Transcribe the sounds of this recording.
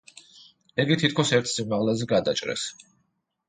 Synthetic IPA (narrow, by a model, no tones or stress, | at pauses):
iɡit̪ʰit̪̚ʰkʰɔsɛɾt̪ʰsimaʁlɛzɛɡad̪at͡ʃʼɾɛ̰s